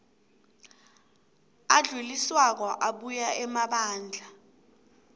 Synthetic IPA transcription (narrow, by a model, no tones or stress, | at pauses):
aɮuliswak̬ɔʔaɓujaɛmaɓaːnd͡ɮʱa